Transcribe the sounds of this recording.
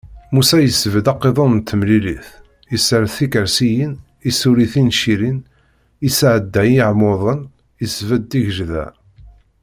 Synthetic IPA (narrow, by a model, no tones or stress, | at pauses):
musæjəsvəd̪ɑqːeðˤonnt̪ʰːəmliliθ | isəɾθikəɾsijən | isuɾiθinʃiɾin | isʕəd̪ːæjiʕmoðˤən | isvəd̪ːiʝʒðæ̰